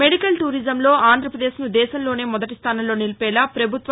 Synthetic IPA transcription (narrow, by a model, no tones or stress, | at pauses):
meɽikɐlʈuːɾizɐmlo̞ːaːnd̪ʱɾɐpɾɐd̪eːʃnud̪ɛːʃɐmlo̞ːne̞ːmɔd̪ɐʈist̪ʰaːnɐmlo̞ːnilipɛːlaːpɾɐbʱut̪ʋɐ